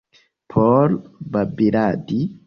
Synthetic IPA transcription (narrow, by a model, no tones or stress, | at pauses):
pʰɔːlbɐbːɪɾaːd̪i